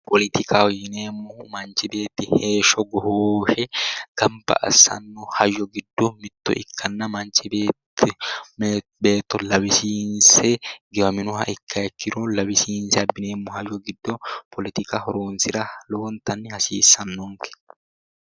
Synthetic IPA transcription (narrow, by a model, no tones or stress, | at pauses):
pɔlɪt̪ɪkʰaɔjːɪneːmːɔmɐnt͡ʃɪbe̞ːt̪ːɪheːʃɔɡɔhoːʃɛɡ̥ɐmpɐ̰ʔɐ̰sɐ̰nːɔhɐjɔɡɪd̪ːɔmɪt̪ːɔ̰ɪ̰kʰːɐnːɐmɐnt͡ʃɪbeːtːɪ | beːt̪ːɔlɐbɪsiːnsɛɡɛwɐmɪnʊhɐ̰ʔɪkːɐɛkʰːɪɾolɐbɪsiːnsɛɐbːɪneːmːɔhɐjɔɡɪd̪ːɔpɔlɪt̪ɪkɐhɔɾoːnsɪɾɐloːnt̪ɐnːɪhɐsiːsːɐnːɔŋkɛ̥